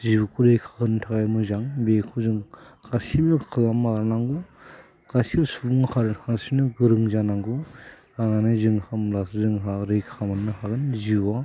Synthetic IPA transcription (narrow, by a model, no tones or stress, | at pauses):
zibukʰuɾejkʰakʰɯntʰaɡajmɯzaŋbekʰuzɯŋɡasimɯkʰɯlamaanaŋɡu | kasilsuuŋhʰaɾɯnhasinɯɡɯɾɯŋzanaŋɡu | ananɯjzɯŋhamlaszɯŋɦaɾejkʰamɯnːɯɦaɡɯnziwa